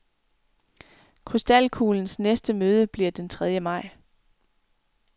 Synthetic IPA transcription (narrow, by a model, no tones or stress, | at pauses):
kʰʁysd̥ælkʰuːln̩snesd̥əmøːð̞ˠəb̥liɐd̥ent͡sʰʁɛð̞ˠjəmɑ̈ɪ̰